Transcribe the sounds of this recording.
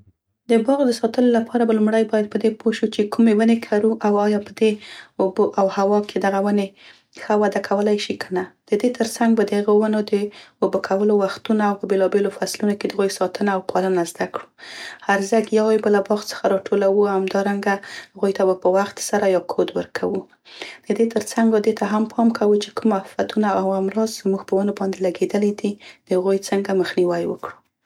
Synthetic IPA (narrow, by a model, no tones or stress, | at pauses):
d̪əbɑɣd̪əsɑt̪əlolapʰɑɾabalʊmɽajbɑjad̪̚pəd̪epʰoʃut͡ʃekumewənekʰaɾuʔawɑjɑpəd̪eoboʔawhawɑkʰed̪aɣawəne | xəwad̪akʰawəlajʃikʰənad̪̥əd̪et̪ʰəɾsaŋɡbad̪əhaɣowənod̪əobəkʰawəlowaxt̪unaawpəbelɑbelofaslunoked̪əaɣujsɑt̪ənaːwpʰɑlənazd̪akɽuhaɾzaɡjawajbalabɑxt͡sə̥xaɾɑʈʰolawuamd̪ɑɾaŋɡahaɣujt̪abapəwaxt̪saɾajɑkʰod̪wə̰ɾkʰawu | d̪̥əd̪et̪əɾt͡saŋɡbad̪et̪ʰaɦampʰɑmkawət͡ʃe̥kʰumafat̪unaawamɾɑzzmuɡpəwənobɑnd̪elaɡed̪əlid̪id̪̥əhaɣujt͡səŋɡaməxniwajwə̰kɽu